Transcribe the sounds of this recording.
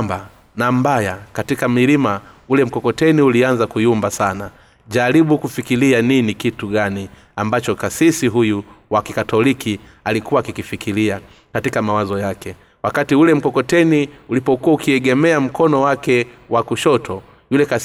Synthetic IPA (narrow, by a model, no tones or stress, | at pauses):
ba | nambajakatikamilimaulɛm̩kɔkɔtɛniulianzakujumbasana | ʄaɾiɓukufikilianinikituɠani | ambat͡ʃɔkasisiɦujuwakikatɔliki | alikuwaːkikifikilia | katikamawazɔjakɛ | wakatiulɛm̩kɔkɔtɛniulipɔkuwaukiɛɠɛmɛam̩kʰɔnɔwakɛwakuʃɔtʰɔ | julɛkas